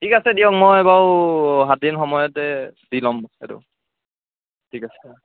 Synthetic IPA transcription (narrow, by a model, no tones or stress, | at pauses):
tʰikasɛdijɔk̚mɔjbawɦat̚dinxɔmɔjɔtɛdilɔmɛ̰tʊ̰ | tʰikasɛ